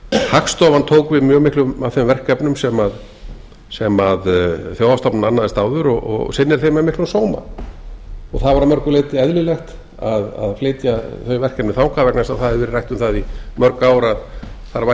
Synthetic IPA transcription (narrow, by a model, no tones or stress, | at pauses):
hakst̪ɔvant̪ʰoːwkvɪðmjœɣmɪhklʏmavθemvɛr̥kɛpnʏmsɛmað | sɛmaðθjowðast̪ɔpnananːaðɪst̪aːwðʏɾɔɣɔ̰ɣsɪnːɪɾ̥θejmɛðmɪhklnsoːwma̰ | ɔɣθaðvaɾamœɾkʏleːjt̪ɪɛðlʏlɛxt̪ | aða̰ðfleːjt̪jaθœjvɛr̥kɛpnɪθawŋkʰavɛknasawθaðɪɾvɪɾɪrajht̪ʏmθaðimœɾkaːwɾaðθaɾva